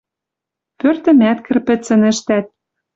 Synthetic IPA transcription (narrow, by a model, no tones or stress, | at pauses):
pørt̪ɘ̆mæt̪kɘ̆rpɘ̆t͡sɘ̆nɘ̆ʃt̪æt̪̚